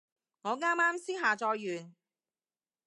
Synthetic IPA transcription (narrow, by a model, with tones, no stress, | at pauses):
ŋɔː˨˧ŋaː˥maː˥msiː˥ɦaː˨t͡ʃɔː˧jːyː˨n